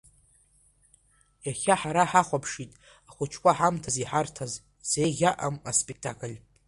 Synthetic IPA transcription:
jaχʲaħaɾaħaχʷapʰʂitʼ | aχʷʊt͡ʃʰkʷʰʼaħamtʰaziħartʰaz | z̥ejʁʲaʔamaspʼek̚tʰakʰʼɨlʲ

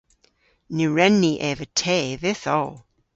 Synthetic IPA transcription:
nuɹɛnːiʔɛvətʰeːðɪθo

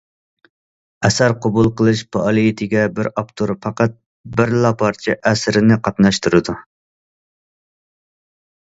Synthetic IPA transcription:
ɛsæɾqʰɑbulˠqəlˠɨʃpʰɑːlˠijit̪ʰɪɡʲɛbɪɾɑpt̪ʰuɾpʰɑqɑt̪̚ | bɪɾlˠɑpʰɑɾt͡ʃʰɛʔɛsɾɪnɪqʰɑt̪nɑʃt̪ʰuɾɨd̪u

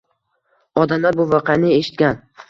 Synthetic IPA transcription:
ɒd̪amlaɾbʊvɑqʰɑnɪe̞ʃɪ̥t̪̚kʲan

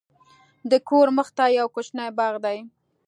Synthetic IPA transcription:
d̪əkoɾməxt̪ajawkot͡ʃnajbɑɣd̪aj

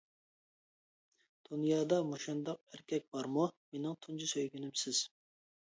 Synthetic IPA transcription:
d̪̥unjɑːd̪ɑmoʃɑnd̪ɑq̚æɾkʲʰɛk̚ʲb̥ɑɾmumenɪŋt̪ʰund͡ʒusøjɡʲynɪmsɪz̥

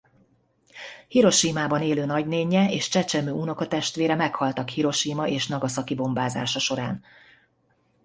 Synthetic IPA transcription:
hiɾo̞ʃiːmaːbɒneːløːnɒɟneːɲːɛeːʃt͡ʃɛt͡ʃɛmøːuno̞kɒt̪ɛʃt̪ʋeːɾɛmɛkhɒlt̪ɒkhiɾo̞ʃiːmɒʔeːʃnɒɡɒsɒkibo̞mbaːza̰ːʃɒʃo̞ɾa̰ːn

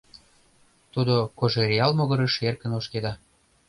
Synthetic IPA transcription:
t̪ud̪okoʒeɾʲiɑlmoɣə̆ɾə̆ʃerkə̆noʃked̪ɑ

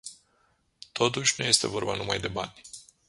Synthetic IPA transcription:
t̪ʰo̞t̪̬uʃʲnuje̞st̪e̞vo̞rbanumajd̪e̞banʲ

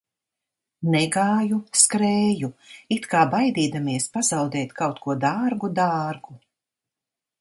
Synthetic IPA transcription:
nɛɡaːjuskɾɛːjuit̪kaːbajd̪iːd̪amiɛspazawd̪ɛːt̪kʰawt̪kuɔd̪aːɾɡud̪aːɾɡu

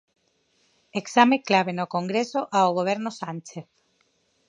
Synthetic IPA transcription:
eksameklaβ̞enokoŋɡɾesoʔaoɣ̞oβ̞eɾnosant͡ʃeθ

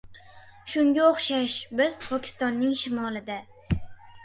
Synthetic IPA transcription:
ʃʊŋɡʲaoχʃaʃbɪz̥pʰɒkʲʰɪ̥st̪ɒnːɪŋʃɪmɒlˠɪd̪a

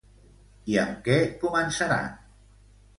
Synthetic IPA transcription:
iə̰mkɛkumənsaɾa̰n

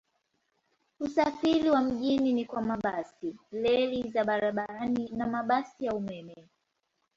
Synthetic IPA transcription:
usafiɾiwam̩ʄininikwamaɓasilɛlizaɓaɾaɓaɾaninamaɓasijaumɛmɛɛ

